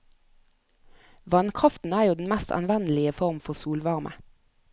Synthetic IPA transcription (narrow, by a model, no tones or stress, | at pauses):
ʋɑnkʰʁɑft̪n̩æːjuːd̪n̩mæst̪ʰɑ̰nʋɛnəlɪəfɔʁmfɔʁsuːlʋɑʁmʔə̰